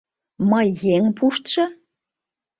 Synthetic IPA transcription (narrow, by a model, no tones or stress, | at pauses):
məjːeŋpʰuʃt̪ʃɤ̆